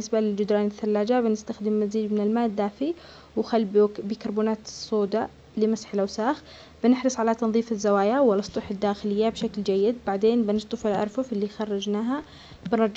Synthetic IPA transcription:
nɪsbalɪld͡ʒɪd̪ɾɑːnɪθːalːaːd͡ʒabɪnɪst̪axd̪ɪmːaziːd͡ʒmɪnɪlmaːʔɪd̪ːaːfi | wxalːbbiːkɑɾˤbuːnaːt̪sˤːoːd̪a | lɪmasħɪlʔawsaːx | b̥ɪnɪħɾɨsˤʕalat̪ɑnðˤiːfɪzːawaːjawɪlɑsˤt̪ˤuħɪd̪ːaːxɪlɪjːabʃakld͡ʒajːɪd̪baʕd̪eːnbɪnɨst̪ˤɨfɪlʔɑ̰ɾˤfʊfɪlːixɑrˤːɑd͡ʒnaːɦa | bɪnɾˤɑˤd͡ʒ

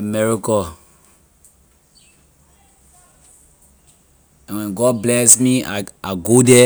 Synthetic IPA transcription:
mɛɹikɔ | ɛ̃nwɛ̃nɡɔd̚blɛsmia̰aɡodɛ

